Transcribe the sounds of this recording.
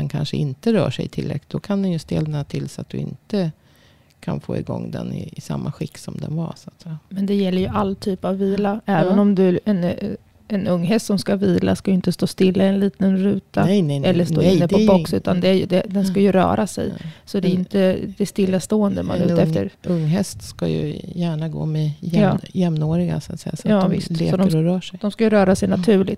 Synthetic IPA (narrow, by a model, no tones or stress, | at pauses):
d̪ɛnkʰanʂəɪnt̪əɾœːʂɛjt̪ʰɪlɾɛ̰kɪt̪d̪ɔkʰand̪ɛnjɵst̪eːlənat̪ʰɪlsat̪̚d̪ɵɪ̰nt̪ə | kʰanfoːɪɡɔ̰ŋːd̪ɛ̰nɪɪsa̰mːaɧɪkːsɔmd̪ɛnvasat̪sɛjːamɛnd̪ɛjɛlːəɾjɵʔalːt̪ʰyːpavːiːlaɛːvənɔmd̪ɵɛn | ɛnɵŋːɦɛst̪sɔmskaviːla̰skajʏɪnt̪əst̪oːst̪ɪlːaɪɛnliːt̪ənɾʉ̟ːt̪aɛɛlːəʂoːɪnːəpʰɔbɔksʉ̟t̪and̪ɛæjd̪ɛd̪ɛnskajɵɾœ̰ːɾʔasɛ̰jsɔd̪ɛɪnt̪əd̪ɛst̪ɪlːast̪oːɛnd̪əma̰nʉ̰ːɛft̪ə̰ɾɵŋːɦɛst̪ska̰jɵ̰jæːɳaɡo̰ːmɛjɛjɑːjɛmnoːɾɪɡa̰sa̰t̪sɛ̰jːasɑːvɪst̪lḛːɔd̪ɔəɾɔɾœːʂɛjd̪ɔmskajɵɾœːɾasɛjnat̪ʰʉ̟ːɭɪt̪ː